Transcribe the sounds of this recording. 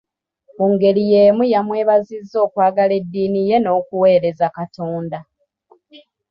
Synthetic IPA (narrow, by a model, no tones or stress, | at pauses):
muŋɡe̞lije̞ːmujamwe̞ːβazizːo̞ːkwaːɡale̞dːiːnije̞no̞ːkuwe̞ːɾe̞zakatoːnda